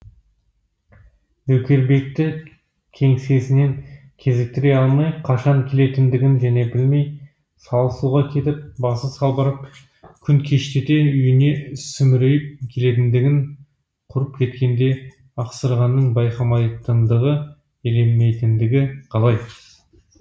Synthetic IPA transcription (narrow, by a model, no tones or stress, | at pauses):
wɵkʲe̞ɾbe̞k̚t̪ɪ | kʲʰe̞ŋse̞sɪne̞ŋ | kʲʰe̞zɪk̚t̪ɪɾe̞jɑlˠmɑjqʰɑʃɑŋkʲʰe̞le̞t̪ɪnd̪ɪɡʲɪnʒæne̞bɪlme̞j | sɑlˠəsuʁɑkʲʰe̞t̪ɪp̚bɑsəsɑlˠbɑɾəp̚ | kʲʰʏŋkʲʰe̞ʃt̪et̪e̞ʏjɪne̞ʏsʏmɪɾejɪp̚kʲʰe̞le̞t̪ɪnd̪ɪɡʲɪŋ | qʰʊɾəp̚kʲʰe̞t̪kʲe̞nd̪e̞ | ɑqsəɾʁɑnːəɴbɑjqɑmɑjt̪ənd̪əʁə | ele̞mːe̞jt̪ɪnd̪ɪɡʲɪqʰɑlˠɑj